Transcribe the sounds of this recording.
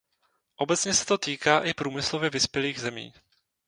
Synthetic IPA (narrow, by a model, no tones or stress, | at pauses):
ʔo̞bɛt͡sɲɛsɛ̥t̪o̞t̪iːkaːʔɪpɾuːmɪslo̞vjɛvɪspjɛliːɣzɛmḭː